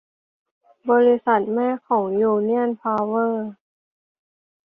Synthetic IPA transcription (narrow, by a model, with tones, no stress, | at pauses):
bɔː˧ɾi˦˧sa˨˩t̪̚mɛː˥˩˨kʰɔː˩˦ŋjuː˧ni˥˩ənpʰaː˧wɤː˥˩